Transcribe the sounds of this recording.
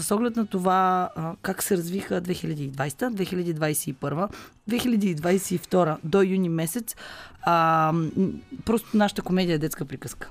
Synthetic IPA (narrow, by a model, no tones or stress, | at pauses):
əsɔɡlɛt̪nɐt̪ovakaksɛɾɐzvixəd̪vɛxilʲɐd̪iːd̪vajsɛ̥t̪əd̪vɛxilʲɐd̪iːd̪vajsɛipɤɾvəd̪vɛxilʲɐd̪iːd̪vajsɛift̪ɔɾəd̪ojunimɛsɛt̪sə | pɾɔst̪onaʃə̥t̪əkomɛd̪iəɛd̪ɛt̪skəpɾikəskə̥